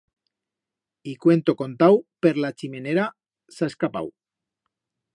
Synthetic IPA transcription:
ikwe̞nt̪oko̞nt̪awpeɾlat͡ʃime̞neɾa | saeskapa̰w

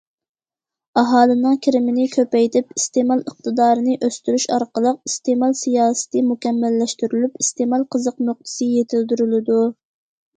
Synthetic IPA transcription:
ɑɦɑːlˠɨnɨŋkʲʰiɾɪmɪnɪkʲʰøpɛjt̪ʰɪpist̪emɑlˠəq̚t̪ɨd̪ɑːɾɨnɨʔøst̪yɾyʃɑɾqəlˠəq̚ist̪emɑlˠsijɑːsɨ̥t̪ʰɨmukʲɛmːælːɛʃt̪yɾylypist̪emɑlˠqʰəzəqmoχ̚t̪ʰɨ̥sɨjet̪ʰɪld̪yɾylɪd̪u

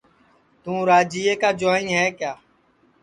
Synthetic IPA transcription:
t̪ũːɾaːd͡ʒiːeːkaːd͡ʒaːĩnɦɛːkjaː

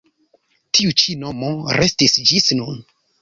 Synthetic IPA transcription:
tʰiut͡ʃino̞mo̞ɾʔestisd͡ʒisnun

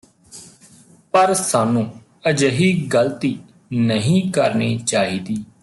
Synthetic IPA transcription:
pəɾsaːnũː | əd͡ʒəɦiːɡəlt̪iː | nəɦĩːkəɾniːt͡ʃaːɦiːd̪iː

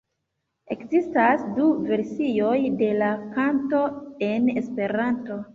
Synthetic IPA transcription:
e̞kzistasduve̞ɾsio̞jde̞lakanto̞e̞ne̞spe̞ɾanto̞

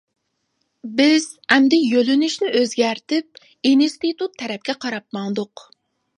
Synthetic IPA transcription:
bɪz̥ɛmd̪ɪjølynyʃnɪʔøzɡʲæɾt̪ʰɪp̚ | inst̪it̪ut̪ʰːɛɾɛp̚kʲɛqʰɑɾɑp̚mɑŋd̪ʊq

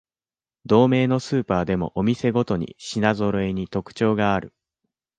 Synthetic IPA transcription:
d̪̥o̞ːme̞ːno̞sɨːpaːd̪e̞mo̞̰ʔomʲise̞ɡo̞t̪o̞ɲ̟ḭɕinazo̞ɾo̞e̞ɲ̟it̪o̞kɯ̟̥t͡ɕo̞ːɡaːɾɯ̟̰

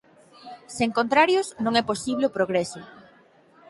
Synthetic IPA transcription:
seŋkont̪ɾaɾjʊsnõŋɛposiβleʊpɾoɣɾɛsʊ

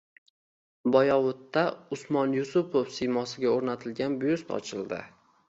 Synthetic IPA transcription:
bɒjɒwʊt̪ːaʊsmɒnjʊsʊpʰofsimɒsɪɡʲaoɾnat̪ʰɪlɡʲanbjʊst̪ʰɒ̰t͡ʃʰɪld̪ɪ̰

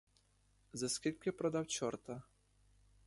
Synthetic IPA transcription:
zɐskʲilʲkʲɪpɾɔd̪awt͡ʃɔrt̪ɐ

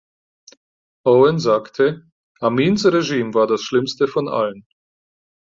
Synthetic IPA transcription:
ʔoɛnzaːktʰə | ʔamiːnsʁeʒiːmvaːɐdasʃlɪmstəfɔnʔa̰lən

